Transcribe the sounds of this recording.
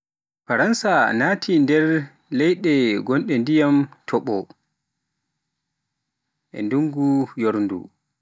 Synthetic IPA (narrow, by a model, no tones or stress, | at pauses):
faɾansanaːtʰindɛɾ | lɛjɗɛɡɔnɗɛndijamtʰɔɓɔ | ʔɛ̰nduŋɡujoɾndṵ